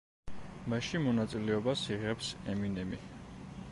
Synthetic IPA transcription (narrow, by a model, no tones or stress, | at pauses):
maʃimɔnat̪sʼilɛɔbasiʁɛpsɛminɛmi